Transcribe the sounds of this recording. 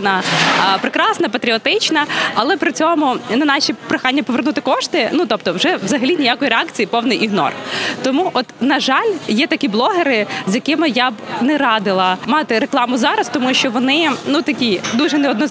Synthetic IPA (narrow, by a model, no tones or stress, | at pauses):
nɐpɾɪkɾɑsnɐpɐt̪ɾʲiɔt̪ɪt͡ʃnɐɐlˠɛpɾɪt͡sʲɔmʊnɐnɑʃʲipɾɪxɑnʲːɐpɔʋernut̪ɪkɔʃt̪ɪnut̪ɔp̚t̪ɔwʒɛʋzɐɦɐlʲinʲɪjakɔjiɾeɛɑkt͡sʲijipɔwnɪjʔiɦnɔ̰rt̪ɔmuʔɔt̪nɐʒɑlʲjɛt̪ɐkʲiblˠɔɦeɾɪzjɐkɪmɪjabnɛɾɑd̪ɪlˠɐmɑt̪ɪɾeklˠɑmʊzɑɾɐst̪ɔmuʃt͡ʃɔʋɔnɪnut̪ɐkʲid̪uʒɛnɛɔd̪nɔ